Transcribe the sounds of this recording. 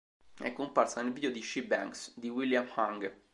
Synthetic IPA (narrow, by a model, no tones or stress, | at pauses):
ɛ̰kːomparsanelvid̪ijod̪iʃibɛ̰ŋksd̪iwiljamhaŋɡ